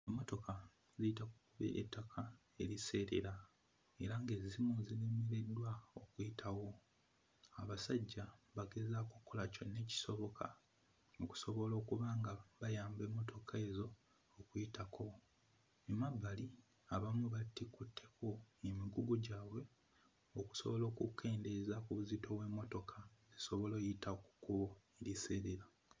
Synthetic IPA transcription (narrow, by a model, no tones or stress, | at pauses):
emːo̞to̞ka | ziitakukuβḛḛtːakʰa | e̞ɾise̞ːɾe̞̰ɾa | e̞ɾaŋɡe̞zimuzinemiɾe̞dːwao̞kujitʰawo̞ | aβasaɟːaβaɡe̞zakokʰːolaconːe̞ːci̥so̞βo̞kʰa̰ | oku̥so̞βo̞lo̞ːkuβaːŋɡaβajaːmbe̞ːmːo̞tʰo̞kʰae̞zo̞ː | kujitakʰo̞ | emabːali | aβamwuβatikutʰːe̞kʰo̞emiɡuɡoɟaːwe̞ | oku̥so̞βo̞lo̞ːkukʰːe̞ːnde̞zakuβuzito̞we̞ːmːo̞to̞kʰazeso̞βo̞lojitʰaku̥kuβo̞eɾiseɾeɾa